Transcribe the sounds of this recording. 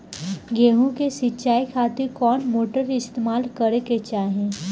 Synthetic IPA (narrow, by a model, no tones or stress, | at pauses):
ɡeːɦũkesɪtːʃaːikʰaːt̪ɪɾkɔːnmoːʈəɾɪst̪eːmaːlkəɾeket͡ʃaːɦẽː